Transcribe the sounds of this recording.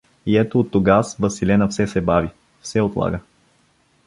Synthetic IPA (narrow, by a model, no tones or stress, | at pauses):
iɛt̪oːt̪ːoɡasvəsilɛnəfsɛsɛbavi | fsɛot̪lˠa̰ɡə